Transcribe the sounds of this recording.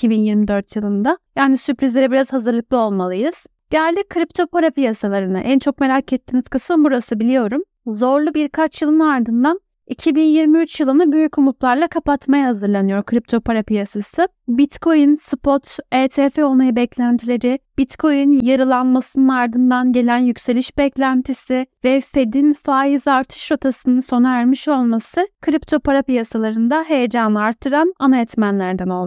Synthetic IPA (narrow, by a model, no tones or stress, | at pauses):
icʰibinjiɾmid̪ø̞ɾt̪ʰjɯlˠɯnd̪ajaːnisypɾizlʲe̞ɾɛbiɾazhazɯɾlˠɯk̚lˠɯo̞lˠmalˠɯjɯz̥ | ɟ̥ɛælʲd̪ickʰːɾip̚t̪ʰo̞paɾapijasalˠaɾɯna̰ʔænt͡ʃʰo̞k̚me̞ɾacɛt̪ːinizkʰasɯnbuɾasɯbilʲijo̞ɾum | zo̞ɾlˠubiɾkʰat͡ʃʰjɯlˠɯnaɾd̪ɯnd̪an | icʰibinjiɾmiyt͡ʃjɯlˠɯnabøjycʰumuplˠaɾlˠakʰapat̪majahazɯɾlˠanɯjo̞ɾkʰɯɾip̚t̪ʰo̞pʰaɾapijasasɯ | bit̪kʰo̞jinsɯpʰo̞t̪eːt̪ʰeːfeo̞najabɛclʲænt̪ʰilʲe̞ɾɪb̥it̪kʰo̞jynjaɾɯlˠanmasɯnɯnaɾd̪ɯnd̪anɟe̞lʲænjycʲse̞lʲiʃbɛclʲænt̪ʰisɪvɛfe̞d̪infaːizaɾt̪ʰɯ̥ʃɾo̞t̪ʰasɯnɯnso̞naæɾmiʃo̞lˠmasɯkʰɾipt̪ʰo̞paɾapijasalˠaɾɯnd̪aɦe̞jed͡ʒanɯaɾt̪ʰːɯɾananajɛt̪mænlʲæɾd̪æno̞lˠd̪